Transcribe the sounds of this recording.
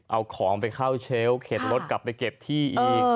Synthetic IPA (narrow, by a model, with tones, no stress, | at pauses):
ʔa˧wkʰɔː˩˦ŋpa˧jkʰaː˥˩wt͡ɕʰeː˦˥wkʰeː˨˩t̪̚ɾo˦˥t̪̚kla˨˩p̚ːa˧jke˨˩p̚t̪ʰiː˥˩ʔi˧